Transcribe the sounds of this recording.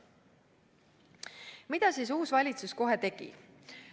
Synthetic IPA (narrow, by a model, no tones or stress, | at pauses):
mid̪̥ɑsiːs̬uːsvɑlʲit̪susko̞ɦet̪e̞ɡ̥ḭ